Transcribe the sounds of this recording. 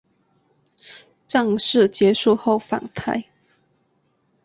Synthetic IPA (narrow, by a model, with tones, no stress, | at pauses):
ʈ͡ʂɑ˥˧ŋʂɻ̩˥˩t͡ɕjɛ˧˥ʂu˥˧xo˥˩ʊfa̰˨˩ŋt̪ʰa˥˩ɪ